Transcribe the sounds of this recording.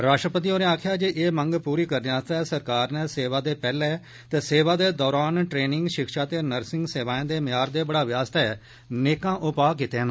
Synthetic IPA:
ɾaːʃʈɾəpət̪iːoːnẽːaːkʰjaːd͡ʒeʔeːməŋɡpuːɾiːkəɾneaːst̪aɛːsəɾkaːɾnɛ̃ːseːʋaːd̪eːpɛːleː | t̪ɛːseːʋaːd̪eːd̪ɔːɾaːnʈɾeːnɪ̃ŋɡʃɪkʃaːt̪eːnəɾsɪ̃ŋɡseːʋaːẽːd̪eːmɪjaːɾd̪eːbəɽaːʋɪjaːst̪ɛ | neːkãːʔʊpaːk̬it̪eːə̃n

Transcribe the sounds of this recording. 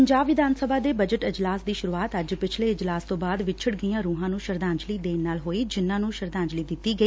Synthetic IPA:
əɲd͡ʒaːbʋɪd̪ʱaːnsəbʱaːd̪eːbəd͡ʒəʈɪd͡ʒlaːsd̪iːʃʊɾuːaːt̪əd͡ʒpɪt͡ʃʰleːɪd͡ʒlaːst̪õːbaːd̪ʋɪt͡ʃʰəɽɡijãːɾuːɦãːnũːʃəɾd̪ãːɲd͡ʒliːd̪eːnaːlɦoːiːd͡ʒɪnːãːnũːʃəɾd̪ãːɲd͡ʒliːd̪ɪt̪ːiːɡəiː

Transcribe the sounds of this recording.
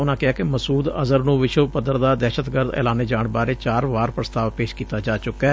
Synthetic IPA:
ʊnãːkɪɦaːkɪməsuːd̪ə̰zəɾnũːʋɪʃəʋpəd̪əɾd̪aːd̪ɛːʃət̪ɡəɾd̪ɛ̰ːlaːneːd͡ʒaːɳbaːɾeːt͡ʃaːɾʋaːɾpɾəst̪aːʋpeːʃkiːt̪aːd͡ʒaːt͡ʃʊkːɛː

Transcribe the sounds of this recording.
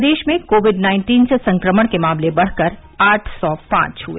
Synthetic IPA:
d̪eːʃmẽkoːʋɪɖnãːɪ̃ɳʈiːnsesɐ̃ŋkɾəməɽ̃kemaːmlebɐɽ̤kəɾ | aːʈʰsɔpã̰ːt͡ʃɦuḛː

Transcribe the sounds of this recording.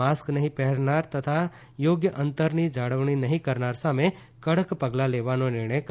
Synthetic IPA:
aːsknɐɦĩpɛɦɛɽnaːɾt̪ɐt̪ʰa | joːɡjəʔɐ̃nt̪əɾnid͡ʒaːɽəʋɳ̃inɐɦĩkɐɾnaːɾsamẽ | kɐɽəkpɐɡlaleːʋaːnonɪɾɳ̃əjk

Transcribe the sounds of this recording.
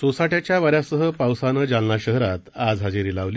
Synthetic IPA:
sosaʈjat͡ɕjaʋaɾjasəɦəpawsanəd͡zanlaɕəɦɾat̪ad͡zɦad͡ziɾiːlaʋli

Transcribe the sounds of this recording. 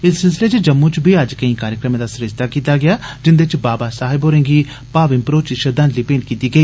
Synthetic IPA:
ɪsːɪls̬ɪleːt͡ʃd͡ʒəmːũt͡ʃbiːəd͡ʒkəĩːkaːɾjəkɾəmẽːd̪aːsʊɾɪd͡ʒt̪aːkiːt̪aːɡɪjaːd͡ʒɪnd̪eɪt͡ʃbaːbaːsaːɦɪbɦoːɾẽːŋɡiː | paːʋɪ̃mpɾoːt͡ʃʃəd̪ə̃nd̪liːpeːɳkiːt̪iːɡəiː

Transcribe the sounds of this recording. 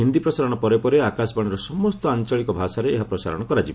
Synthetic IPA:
ɦind̪ipɾɔsaɾɔɽɔpɔɾepɔɾeakasbaɽ̃iɾɔsɔmɔst̪ɔant͡ʃɔɭikɔbʱasaɾeːɦapɾɔsa̰ɾɔ̰ɽ̃ɔkɔɾat͡ʃib

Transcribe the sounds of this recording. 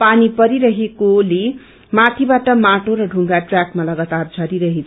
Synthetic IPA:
panipʌɾiɾʌɦekole | mat̪ʰibaʈʌmaʈoɾʌɖʱuŋɡaʈrjakmalʌɡat̪ard͡zʱʌɾiɾʌɦet͡sʰ

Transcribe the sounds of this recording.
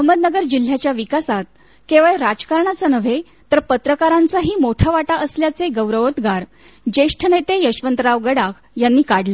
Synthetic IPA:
əɦməd̪nəɡəɾd͡ʑil̤ːjat͡ɕjaʋikasat̪̚ | keʋəɭeɾad͡ʑkaɾɳat͡sanəʋ̤e | t̪əɾpət̪ɾəkaɾãnt͡saɦiːmoʈʰaʋaʈaʔəsljat͡seɡəʋɾəʋət̪ɡaɾ | d͡ʑeʂʈʰənet̪ejəɕʋənt̪ɾaʋɡəɽak | janːiːkaɽle

